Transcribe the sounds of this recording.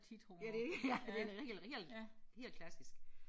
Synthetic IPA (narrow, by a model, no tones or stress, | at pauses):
t͡sʰid̥hojæd̥e̝jæd̥e̝ʁɛ̰lʁɛ̰lhe̝̰ːlkʰlæsisɡ̥